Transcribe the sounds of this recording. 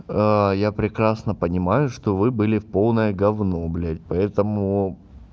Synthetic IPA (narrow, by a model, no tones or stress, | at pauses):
japɾʲɪkɾasnəpənʲɪmajʊʂt̪o̞vɨbɨlʲɪfpo̞lˠnəjəɡɐvno̞blʲetʲpɐɛt̪əmʊ